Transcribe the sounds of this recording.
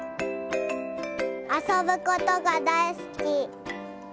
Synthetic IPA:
asobɯ̟kot̪oɡad̪aisɨ̥kʲi

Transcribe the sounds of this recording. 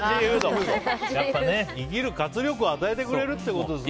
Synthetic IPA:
iɯd̪ojapːaneiɡʲiɾɯ̟kat͡sɨɾʲjo̞k̬ɯ̟at̪ae̞t̪e̞kɯ̟ɾe̞ɾɯ̟t̪ːeko̞t̪o̞d̪es

